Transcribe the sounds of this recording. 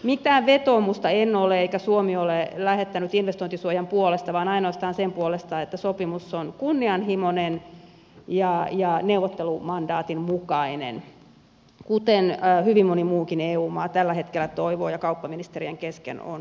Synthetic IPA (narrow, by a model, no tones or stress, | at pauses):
mit̪æːʋʋet̪oːmust̪ɑenːoleeikæsuomiolelæhet̪ːænyt̪inʋest̪oint̪isuojɑmpuolest̪ɑʋɑːnɑinoɑst̪ɑːnsempuolest̪ɑːet̪ːæsopimusːonkunːiɑnɦimonen | jɑjɑneuwʋˑot̪ːelumɑndɑːt̪immukɑinḛn | kut̪enhyʋimmonimuːkineːuːmɑːt̪ælːæhet̪kelːæt̪oiʋoːjɑkɑupːɑminist̪erieŋkeskḛno̰n